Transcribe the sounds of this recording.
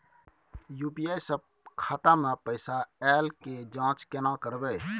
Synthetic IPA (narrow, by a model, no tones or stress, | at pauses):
juːpiːaːjsəb̚ | kʰaːt̪ãːmɛ̃pəɪsaɛːlked͡ʒãːt͡ʃkeːnãːkəɾbeː